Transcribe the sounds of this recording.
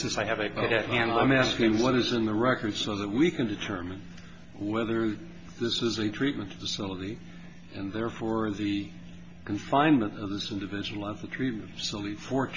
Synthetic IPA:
sɪ̃nsaɪɨvɨkɨɾɛthæ̃nãɪ̃mæskɪ̃ŋwʌɾɨzɨ̃nðəɹɛkə˞d̥soʊðət̚wikʰɨ̃ndɨtʰɜ˞mɨ̃n | wɛðə˞ | ðɪsɨzɨtʰɹ̥it̚mɨ̃nfɨsɪlˠəɾi | ʔɨ̃nðɛɹfɔɹðɨ | kʰɨ̃ɱfãɪ̃nmə̃ntʌvðɪsɪ̃ndɨvɪd͡ʒɨwl̩ˠətðɨtʰɹ̥it̚mɨ̃nfə̥sɪlˠəɾifə˞

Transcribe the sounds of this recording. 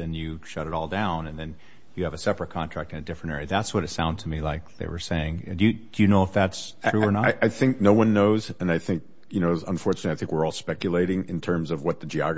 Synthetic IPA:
ɨ̃njɨʃʌɾɨɾɔlˠdãʊ̃nɨ̃nðɨ̃n | jɨːvɨsɛpɹɨt̚kʰɑ̃ntʰɹ̥æk̚tɨ̃nɨdɪfɹɨ̃ntɛ̰ɹiɨðætswʌɾɨtsãʊ̃ndz̥tʰəmilaɪk̚ðḛɪwə̰˞seɪɪ̃ŋdɨjɨd̥ɨjɨnoʊəfðætsɹ̥ʉə˞nəaɪʔaɪθɪ̃ŋk̚noʊwʌ̃nːoʊzɨ̃naɪθɪ̃ŋk̚ | jɨnoʊə̰̃ɱfɔɹt͡ʃɨnɨtˡliaɪθɪ̃ŋkwɨɹɔlˠspɛkjɨleɪɾɪ̃ŋɨ̰̃ntʰɜ̃˞mzʌvwʌt̪̚ðɨd͡ʒiɑɡ

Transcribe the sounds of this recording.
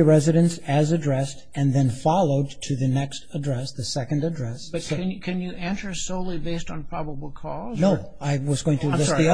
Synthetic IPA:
ɨɹɛzɨɾɨ̃nsɨzɨdɹɛstɨ̃nðɨ̃nfɑlˠoʊd̚tʰɨðɨnɛkstədɹɛsðɨsɛkɨ̃ndɨdɹɛsb̥ʌt̚ɨ̃kʰɨ̃njɨʔæ̃nsə˞soʊlˠibeɪstn̩pʰɹ̥ɑbəbl̩ˠkʰɔznoʊ | aɪwʌzɡoʊɪ̃ŋtʰɨd͡ʒɛiʌ

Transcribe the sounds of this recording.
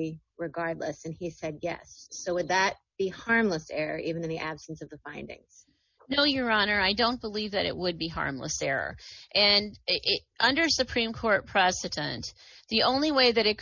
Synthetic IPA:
ɹɨɡɑɹdˡləsɨ̃nisɛd̚jɛ̰sːoʊwɨd̪̚ðɨt̚b̥ihɑɹmləsɛɹə̰˞ʔivɨ̃n̩ɨ̃n̩ðiʔæb̥sn̩sʌvðəfãɪ̃ndɪ̰̃ŋz̥ | noʊjə˞ɑnə˞aɪdõʊ̃nb̥əlivðɨ̰ɾɨ̰ʔ̚wəd̚biɦɑ̰ɹmlə̰sɛɹə̰˞ʔɨ̃nʔʌ̃ndə˞sɨpʰɹ̥ĩmkʰɔɹt̚pʰɹ̥ɛsɨɾɨ̰̃nt̪ | ðiʔõʊ̃nliweɪðɨɾɨt̚

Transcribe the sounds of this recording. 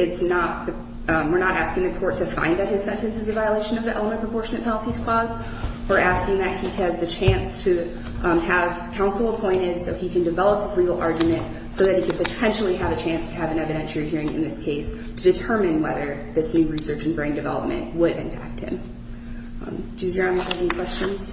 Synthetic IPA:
ɪznət̪̚ðɨ | wə˞ɹnəɾæskɪ̃ŋðɨkʰɔɹtʰɨfã̰ɪ̃nðɨt̚hɨz̥sɛ̃ntɨ̃nsɨzɨvaɪəleɪʃɨ̃nʌvðiʔɛ̰lˠəmɨ̃npʰɹ̥əpʰɔɹʃɨnɨt̚pʰɛl̩ˠtiz̥kʰl̥ɔz | ə˞ʔæskɪ̃ŋðɨt̚hiɨzðɨt͡ʃʰæ̃nstʰɨ | əv̥kʰãʊ̃nsl̩ˠəpʰɔ̃ɪ̃ɾ̃ɪd̥soʊikɨ̃ndɨvɛlˠəp̚hɨzliɡl̩ˠɑ̰ɹɡjɨmɨ̃nt | soʊðɨt̚hikɨd̚pɨtʰɛ̃nʃl̩ˠiɨvɨt͡ʃʰæ̃nstʰɨːvɨ̃nɛvɨɾɨ̃nt͡ʃʰə˞ihiɹɪ̃ŋɨ̰̃nðɪskʰeɪs | tʰɨdɨtʰɜ˞mɨ̃nwɛ̰ðə˞ðɪsnʉɹisɜ˞t͡ʃn̩bɹẽɪ̃ndɨvɛ̰lˠə̰p̚mɨ̰̃nʔwʊɾɨvɨ̃mpʰæ̰k̚t̚hɪ̰̃m | dʉzjə˞ãʊ̃nəsɛvnkʰw̥ɛst͡ʃɨ̃nz̥

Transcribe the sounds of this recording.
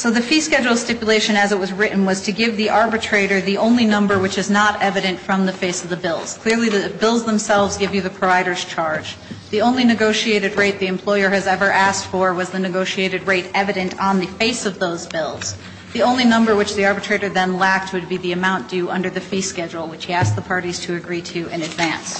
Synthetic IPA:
soʊðɨfiskɛd͡ʒl̩ˠstɪpjɨleɪʃɨ̃nɨzət̚wʌzɹɪʔn̩wʌz̥tʰɨɡɪvðiʔɑɹbɨtʰɹ̥eɪɾə˞ðiʔõʊ̃nlinʌ̃mbə˞wɨt͡ʃɨznəɾɛvɨɾɨ̃ntfɹʌ̃mðɨfeɪsʌvðɨbɪlˠz̥kʰl̥ɪɹliðɨbɪlˠzðə̃msɛlˠvzɡɪvjɨðɨpʰɹ̥əvaɪɾə˞z̥t͡ʃʰɑɹd̥d͡ʒðiõʊ̃nlinɨɡoʊʃieɪɾɨd̚ɹeɪt̪̚ðiɨ̃mpʰl̥ɔɪə˞ɨzɛvə˞ʔæstfə˞wʌzðɨnɨɡoʊʃieɪɾɨd̚ɹeɪɾɛvɨɾɨ̃ntn̩ðɨfeɪsʌvðoʊzbɪlˠz̥ | ðiõʊ̃nlinʌ̃mbə˞wɨt͡ʃðiɑɹbɨtʰɹ̥eɪɾə˞ðɨ̃nlæk̚t̚wɨd̚biðiɨmãʊ̃nd̥ʉʔʌ̃ndə˞ðɨfiskɛd͡ʒl̩ˠwɨt͡ʃhiæs̚ðəpʰɑɹɾiz̥tʰɨɨɡɹiɾʉʔɨ̃nɨdvæ̃ns

